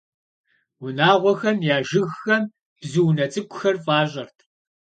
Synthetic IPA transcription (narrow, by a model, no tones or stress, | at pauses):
wʊnaːʁʷɔxɐmjaːʒɪɣxɐm | b̥zɨwnɐt͡sʼɨkʷʼʊxɐrfʼaːɕʼɐrtʰ